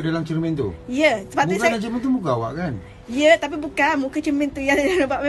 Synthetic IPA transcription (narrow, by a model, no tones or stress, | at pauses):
dalamt͡ʃiɾmɛ̃nt̪ṵijəsəpaʔmuiknat͡ʃəmənt̪umukaawa̰ʔkan | jət̪ap̬ibukanmukət͡ʃəɾmɛ̃nt̪ijanəbaʔme